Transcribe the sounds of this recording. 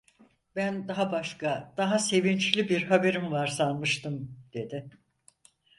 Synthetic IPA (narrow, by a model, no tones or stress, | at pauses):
bænd̪aɦabaʃkad̪̥aɦase̞vint͡ʃlʲibiɾɦabe̞ɾimvaɾsanˠmɯʃt̪ʰɯmd̪̥e̞d̪ɪ